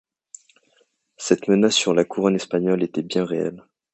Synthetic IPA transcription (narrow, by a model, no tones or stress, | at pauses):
sɛt̪mənasːyʁlakʰuʁɔnɛspaɲɔlet̪ɛbjɛ̃ʁeɛ̰l